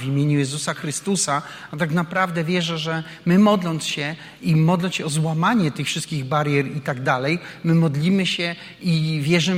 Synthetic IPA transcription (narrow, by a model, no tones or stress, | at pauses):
vʲimʲjeɲujɛzusaxɾɘst̪usa | at̪aknapɾavd̪ɛvʲjɛʐɛʐɛ | mɘmɔd̪lɔnt̪sɕɛ | imɔd̪lɔnsɕɛɔzwamaɲɛt̪ɘxfʂɘst̪kʲiɣbaɾjɛɾit̪aɡd̪alɛj | mɘmɔd̪lʲimɘɕɛ | ivʲjɛʐɘ